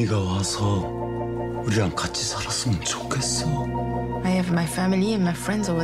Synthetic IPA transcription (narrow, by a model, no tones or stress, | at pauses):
iɡawasʰʌ | uɾiɾaŋkat͡ɕʰi̥sʰaɾas͈ɯmʌnt͡ɕo̥kʰe̞s͈ʌ | ajəvmaɪfæmiliə̃nmajfɹɛ̃ndzɔwʌ